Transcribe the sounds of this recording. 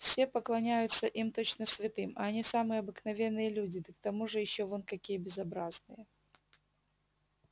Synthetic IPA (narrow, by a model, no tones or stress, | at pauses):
fsʲe̞pəklˠɐnʲæjʊt̪səʔimt̪o̞t͡ɕnəsʲvʲɪt̪ɨmɐɐnʲisamɨjəɐbɨknɐvʲe̞nːɨjəlʲudʲɪd̪əkt̪ɐmuʐɨjɪɕːovonkɐkʲijəbʲɪzɐbɾaznɨjə